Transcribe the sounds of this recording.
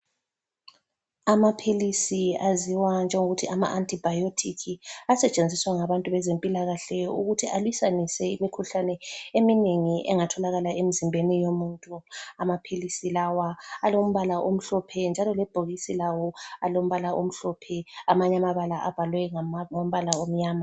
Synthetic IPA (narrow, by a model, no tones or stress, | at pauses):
amapʰilisiaziwand͡ʒʱɛŋoɣutʰiʔama̰ʔantʼib̥ʱajotʰikʰiasɛt͡ʃʼend͡zʱiswaŋaβantʼuβɛzempʼilaɣaɬɛjɔuɣutʰiʔalwisanisɛimikʰuɬanɛemineŋiʔɛ̰ŋatʰɔlaɣalaemizimbʱenijomuːntʼuamapʰilisilawaːlom̩βalaʔom̩ɬɔpʰɛnd͡ʒʱalɔlɛb̥ʱoɣisilawɔalom̩βalaʔom̩ɬɔpʰɛamaɲamaβalaʔab̥ʱalwɛŋom̩βalaom̩ɲaːma